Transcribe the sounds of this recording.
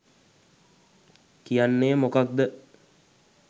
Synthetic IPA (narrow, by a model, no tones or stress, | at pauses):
kijanːeːmokad̪ːə